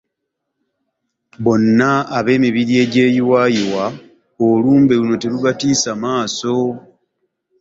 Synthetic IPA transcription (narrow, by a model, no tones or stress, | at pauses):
βo̞nːaːβe̞ːmiβiɾie̞ːɟe̞ːjiwaːjiwa | oluːmbe̞luno̞te̞luβatiːsamaːso̞